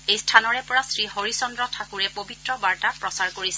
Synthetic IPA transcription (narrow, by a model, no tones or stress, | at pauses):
ejstʰanɔɹɛpɔɹasɹihoɹisɔndɹɔtʰakuɹɛpobitɹɔbaɹtapɹɔsaɹkoɹisɛ